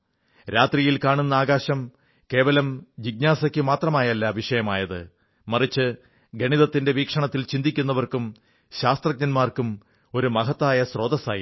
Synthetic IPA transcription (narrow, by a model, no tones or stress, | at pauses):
ɾaːt̪rijilkaːɳunːɐaːɡaːɕɐm | ke̞ːʋɐlɐmd͡ʑiɡ̚ɲaːsɐkʲːɨmaːt̪rɐmaːjɐlːɐʋiʂɐjɐmaːjɐðɨ̰ | mɐrit͡ɕːɨ | ɡʱɐɳiðɐt̪ːinde̞ʋiːkʂɐɳɐt̪ːilt͡ɕind̪ikʲːunːɐʋɐrkum | ɕaːst̪rɐɡ̚ɲɐnmaːrkum | o̞ɾumɐɦɐt̪ːaːjɐsro̞ːd̪ɐsaːji